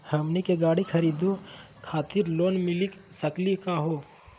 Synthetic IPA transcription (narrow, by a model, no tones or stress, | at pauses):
hɐmnikeɡaːɽikʰɐɾiːd̪o | kʰaːt̪ɪɾloːnmɪliksɐklikaɦoː